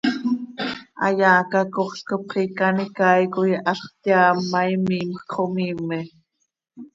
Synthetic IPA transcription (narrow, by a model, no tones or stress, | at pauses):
ʔɑ̰jaːkɑkoχɬkopχikɑnikajkojʔɑɬχt̪jaːmːɑjmiːmxkχomiːmɛ